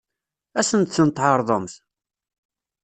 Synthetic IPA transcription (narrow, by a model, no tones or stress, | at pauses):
æsənt̪θənt̪ːˤʕɑɾˤðˤəmθ